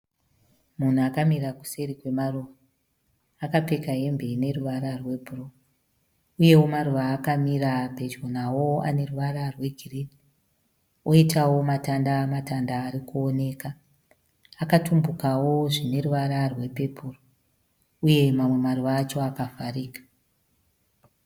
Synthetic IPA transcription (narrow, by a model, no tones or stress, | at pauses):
mun̤uakamiraku̥se̞ɾikwe̞maruʋaː | kape̞kaɦe̞mbeine̞ruʋaɾarwe̞bʱuro | uje̞wo̞maruʋaːkamiɾape̞d͡ʒonawo̞a̰ne̞ruʋaɾarwe̞ɡʱiridi | oitawo̞matandamatandaːɾikuone̞ːka | akatumbukawo̞ʐine̞ruʋaɾarwe̞pe̞puro | uje̞mamwe̞maruʋaːt͡ʃo̞akavariːkḁ